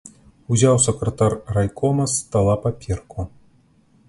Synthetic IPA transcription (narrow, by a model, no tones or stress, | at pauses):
uzʲawsɐkɾɐt̪arrajkʰɔnɐst̪alˠapapʲɛrkʰu